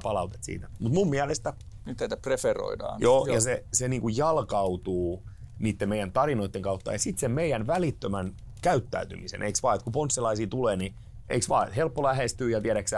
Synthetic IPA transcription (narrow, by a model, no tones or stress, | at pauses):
pɑlɑut̪e̥t̪sḭːt̪æmut̪mummiælest̪æ | nyt̪tæit̪æprefero̰idɑ̰ːnjoːjɑseseniːŋkujjɑlkɑwt̪uːniːt̪ːemeijænt̪ɑrinoit̪ːeŋkɑut̪ːɑ̰jɑsit̪semmeijænʋælit̪ːømæn | kæyt̪ːæ̰yt̪y̰misḛnʔeiksʋɑːet̪kuponsːelɑisiːt̪uleːni | ʔḛiksʋɑ̰ːḛt̪helpːolæhest̪yːjɑt̪iæɾæksæ